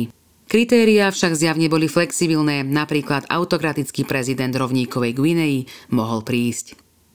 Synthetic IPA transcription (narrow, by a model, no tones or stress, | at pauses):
kɾit̪ɛːɾiaːfʃaɡzjaʋɲɛbɔliflɛksibilnɛːnapɾiːklad̪a̰ʊt̪ɔkɾat̪it͡skiːpɾɛzid̪ɛnd̪ɾɔʊɲiːkɔʋɛjɡwinɛimɔɦɔlpɾiːsc